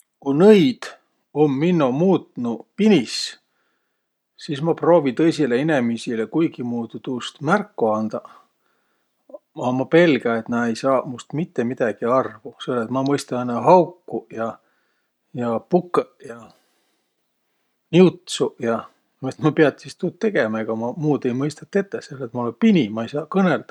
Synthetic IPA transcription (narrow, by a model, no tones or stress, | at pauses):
kunɤjd̪̥ | omːinːumuːt̪nupinʲis | sismɑpro̞ːvit̪ɤ̞jsileene̞misilekujɡimuːd̪̥ud̪̥uːst̪mærkːoɑnd̪̥ɑ | ɑmɑpe̞lɡɑe̞t̪nɑejsɑːmust̪mit̪ːe̞mid̪̥ɑɡ̥iɑrvuseolːet̪mɑmɤjst̪ɑɑnːɑɦɑwkːujɑ | jɑpukːˑejɑ | niut̪sujɑ | et̪mɑpeɑt̪sist̪ut̪̚ːe̞ɡ̥emɑe̞ɡ̥ɑmɑmuːd̪e̞jmɤjst̪ɑt̪ːˑe̞t̪ːeselːet̪mɑolepinʲimɑejsɑːkɤneld̪̥ɑ